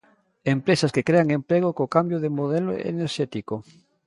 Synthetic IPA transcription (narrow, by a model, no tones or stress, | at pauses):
empɾesaskekɾeaŋempɾeɣokokambjoðemoðelo̰ḛneɾʃɛt̪iko